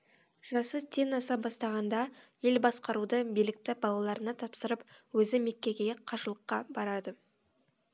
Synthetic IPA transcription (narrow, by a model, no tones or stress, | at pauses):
ʒ̥ɑsəzt̪ʰe̞nɑsɑp̚bɑst̪ɑʁɑnd̪ɑje̞lbɑsqɑɾud̪əbijlɪk̚t̪ɪbɑlˠɑlˠɑɾənɑt̪ʰɑpsəɾəpwɵzɪme̞kʲːe̞kʲeeqʰɑʒəlˠəqːɑbɑɾɑd̪ə